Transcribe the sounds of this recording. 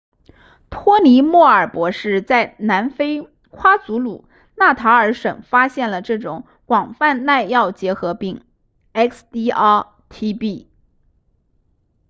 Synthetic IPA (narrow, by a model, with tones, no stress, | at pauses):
t̪ʰwɔ˥ni˧˥mwɔ˥˩ə˞˨˩pwɔ˧˥ʂɻ̩˥˧t͡sa˥˩ɪna˧˥nfe˥ɪ | kʰwa˥t͡su˧˥lṵ˨˩˦ | na˥˩t̪ʰa˧˥ə˞˧˥ʂə˨˩ŋfa˥ɕjɛ˥˩nlə˩ʈ͡ʂɤ˥˩ʈ͡ʂʊ̰˧˥˦ŋ | kwɑ˨˩ŋfa˥˧nna˥˧ɪjɑ˥˩ʊt͡ɕjɛ˧˥xɤ˧˥pi˥˩ŋ | ɛ˥kst̪i˥ɑ˥ | t̪ʰi˥pi˥˩